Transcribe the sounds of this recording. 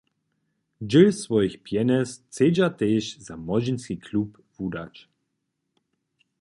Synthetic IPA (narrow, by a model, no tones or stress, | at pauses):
d͡ʒɪlsvɔjixpjɛnɛst͡sed͡ʑat̪eːʃzamɔd͡ʑinskʲikʰlup | vud̪a̰t͡ʃ